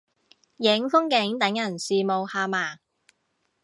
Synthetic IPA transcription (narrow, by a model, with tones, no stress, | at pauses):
jɪ˨˥ŋfʊ˥ŋkɪ˨˥ŋt̪ɐ˨˧˥ŋjɐ˨˩nsiː˨mo˨˧whaː˧maː˨˩